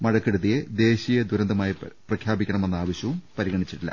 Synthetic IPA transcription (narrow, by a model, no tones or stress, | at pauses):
mɐɻɐkːeɽuðijed̪e̞ːɕijed̪uɾɐnd̪ɐmaːjiprɐkʰjaːbikʲːɐɳɐme̞nːaːʋɐɕjɐʋumpɐɾiɣɐɳit͡ɕːiʈːilːɐ̰